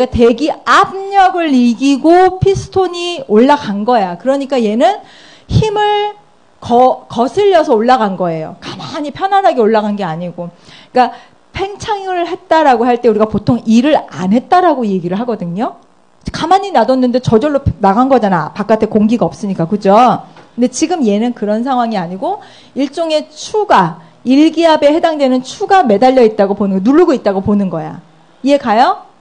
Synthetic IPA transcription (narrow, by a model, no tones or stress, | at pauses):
ɡate̞ɡiabɲʌɡɯɭːiɡiɡopʰisʰɯ̥tʰoɲioɭːaɡanɡʌjakɯɾʌɲik͈aje̞nɯn | çimɯɭ | kʌkʌsʰɯʎːʌsʰʌoɭːaɡanɡʌe̞jo̰kamaɲipʰjʌnɦaɾaɡe̞oɭːaɣanɡe̞aɲiɡoik͈a | pʰe̞ŋt͡ɕʰaŋɯɯɭhe̞t̚t͈aɾaɡoɦaɭt͈e̞uɾiɡapotʰoŋiɾɯɾanɦe̞t̚t͈aɾaɡoje̞ɡiɾɯɭɦaɡʌdɯɲo | kamaɲinadʌnːɯnde̞t͡ɕʌd͡ʑʌɭːopnaɡanɡʌd͡ʑanapak͈atʰekoŋɡiɡaʌp̚s͈ɯɲik͈akɯd͡ʑokkɯnde̞t͡ɕiɡɯmje̞nɯnkɯɾʌnsʰaŋwaŋiaɲiɡo | iɭt͡ɕ͈oŋe̞t͡ɕʰuɡa | iɭɡiɦabe̞he̞daŋdwe̞nɯnt͡ɕʰuɡame̞daʎːʌit̚t͈aɡoponɯnɡʌnuɭːuɡoit̚t͈aɡoponɯnɡʌja̰ | ie̞kajʌ